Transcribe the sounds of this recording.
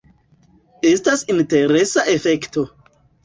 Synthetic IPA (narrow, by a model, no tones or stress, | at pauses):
e̞stasinte̞ɾe̞saʔefe̞kto̞